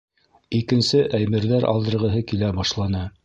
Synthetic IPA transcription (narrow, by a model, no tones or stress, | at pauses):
ikɘ̆nsɘʔæjmɘ̆ɾðæɾʔɑ̰lˠd̪ɤ̆ɾʁɤ̆ɦɤkilæbɑʃlˠɑnɤ